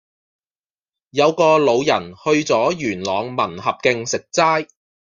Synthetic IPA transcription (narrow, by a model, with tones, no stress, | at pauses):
jɐ˨˧wkɔː˧lo˨˧wjɐ˨˩nhɵ˧ɥt͡sɔː˨˥jyː˨˩nlɔː˨ŋmɐ˨˩nhɐ˨p̚kɪ˧ŋsɪ˨k̚t͡saː˥j